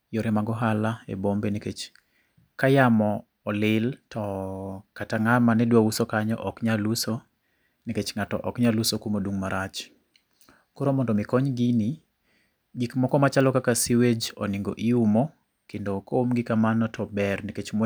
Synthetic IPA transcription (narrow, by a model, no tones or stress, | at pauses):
joɾemaɡɔɦalaḛbombeneket͡ʃ | kajamɔː | lɪltɔkataŋamanɛdwausokaɲɔ̰ʔɔkɲaluso | neket͡ʃŋatɔ̰ʔɔkɲalusokumodwuŋmaɾat͡ʃ | koɾomɔndɔmɪkɔɲɡini | ɡikmɔkɔmat͡ʃalɔkakasiwed͡ʒɔ̰nɪŋɡo̰ʔiumo | kendokoomɡɪkamanɔtɔbɛrneket͡ʃm